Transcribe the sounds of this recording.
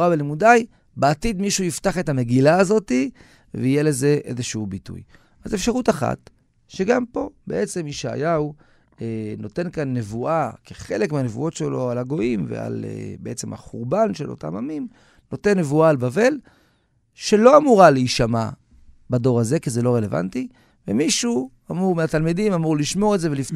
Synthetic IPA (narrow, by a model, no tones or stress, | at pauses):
abelimudaj | beat̪id̪miʃujiftaχe̞tame̞ɡilaːzo̞ti | veijele̞ze̞ʔḛzeʃeubitṵj | ʔazefʃaʁutaχa̰t | ʃe̞ɡampo̞be̞ʔe̞t͡se̞miʃea̰jau | eno̞te̞nkanːe̞vuakeχe̞lekmeanevṵʔo̞tʃelo̞alaɡo̞imvḛa̰lḛbeet͡se̞ma̰χuʁbanʃe̞lo̞̰ta̰mamim | no̞te̞nːe̞vuaːlbave̞l | ʃe̞lo̞amuʁaleiʃama | bado̞ʁaze̞kizelo̞ʁeleva̰nti | vemiʃu | amuʁmeatalmidimamuʁliʃmo̞ʁeze̞velift